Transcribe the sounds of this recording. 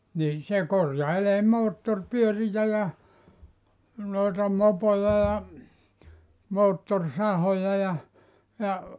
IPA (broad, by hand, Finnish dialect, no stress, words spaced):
nin̞ se korjɑileː moːtːorpyørijæ jɑ noetɑ mopojɑ jɑ moːtːorsɑhojɑ jɑ jɑ